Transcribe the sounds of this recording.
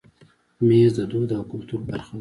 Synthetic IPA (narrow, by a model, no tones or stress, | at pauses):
mezd̪əd̪od̪əkʊlt̪uɾbaɾxad̪